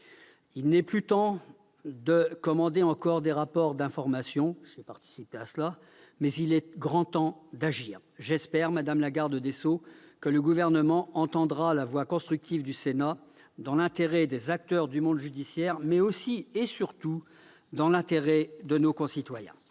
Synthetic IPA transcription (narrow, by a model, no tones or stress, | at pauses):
ilnɛplyt̪ɑ̃ | d̪əkɔmɑ̃d̪eɑ̃kɔʁd̪eʁapɔʁd̪ɛ̃fɔʁmasjɔ̃ʒ̥epaʁt̪i̥sipeasla | mɛzilɛɡʁɑ̃t̪ɑ̃d̪aʒiːʁ | ʒɛspɛʁmad̪amlaɡaʁd̪əd̪esokələɡuvɛʁnəmɑ̃ɑ̃t̪ɑ̃d̪ʁalavwakɔ̃st̪χyk̚t̪ivd̪ysena | d̪ɑ̃lɛ̃t̪eʁɛd̪ezak̚t̪œʁd̪ymɔ̃d̪ʒyd̪isjɛʁmɛosiesyʁt̪u | d̪ɑ̃lɛ̃t̪eʁɛd̪ənokɔ̃sit̪wajɛ̰̃